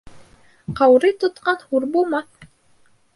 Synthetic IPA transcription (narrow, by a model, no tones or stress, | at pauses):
qɑwɾɤt̪ŏt̪qɑnhuɾbulˠmɑθ